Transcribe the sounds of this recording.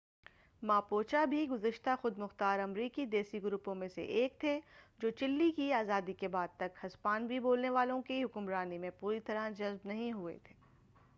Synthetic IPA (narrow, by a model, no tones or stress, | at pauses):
maːpoːt͡ʃabʱiɡʊzəʃt̪axʊd̪mʊxt̪aːɾɐmɾiːkid̪eːsiɡʊɾupõmẽsḛʔeːk̚t̪ʰed͡ʒoːt͡ʃɪlːikiaːzaːd̪ikebaːd̪̚t̪ɐkhɐspaːnbʱiboːlneʋaːlõkiɦʊkʊmɾaːnimẽpuːɾit̪ɐɾad͡ʒɐzbnɐɦĩɦʊḛt̪ʰe̥ː